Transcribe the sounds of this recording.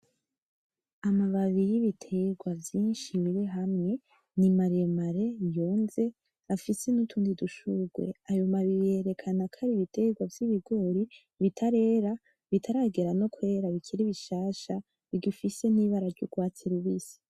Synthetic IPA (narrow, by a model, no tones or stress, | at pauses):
amaβaβijiβitʰeɡwavjiːnʃiβiɾeɦamŋe̞ | nimaɾemaɾe̞jo̞ːnze̞ | afisenutʰuːndiduʃuɡwe̞̰ajomaβije̞ɾe̞kʰanakʰaɾiβitʰeɡwavjiβiɡo̞ːɾi | βitʰaɾe̞ːɾa | βitʰaɾaːɡeɾano̞kwe̞ːɾaβikʰiɾiβiʃaːʃa | iɡifise̞n̥iːβaɾaɾɟoɡwaːt͡siɾuβiːsi̥